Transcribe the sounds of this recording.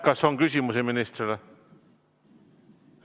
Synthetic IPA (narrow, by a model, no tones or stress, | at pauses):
kɑsoŋkysʲimuseminist̪ɾilɑ